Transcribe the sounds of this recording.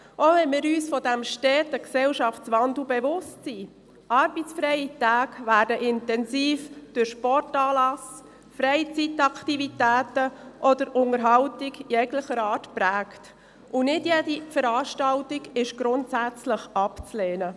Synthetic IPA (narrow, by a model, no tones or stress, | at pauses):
ʔoːvɛnmɪːɾyːsfɔdæmʃtɛːtəksɛlʃɑft͡sʋɑndl̩bɛvʊstsi | ʔɑɾbit͡sfɾɛɪitæːɡvæːɾdəʔɪntɛnsiːfd̥ʊɾʃpɔrtɑːlɑs | fɾɛɪt͡sitɑkʰtivitæːtəʔɔdəɾʊŋəɾɦɑwtiɡjɛɡləχəɾɑːtpɾæːkt | ʔʊnɪdjɛdifəɾɑːʃtɑltiɡɪʃɡ̥ɾʊntsæt͡sləχɑpt͡slɛːnə